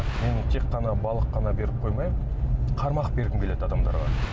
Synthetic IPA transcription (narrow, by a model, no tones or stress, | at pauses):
me̞nt̪ʰe̞kːɑnɑbɑlˠəqːɑnɑbe̞ɾɪp̚qʰo̞jmɑjm | qʰɑɾmɑqbe̞ɾɡ̪ʲɪmkʲʰele̞d̪ɑd̪ɑmd̪ɑ̰ɾʁɑ̰